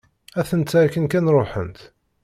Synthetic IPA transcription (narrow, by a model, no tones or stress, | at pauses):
æθənt̪t͡sːæækːənkænɾˤoħə̰nt̪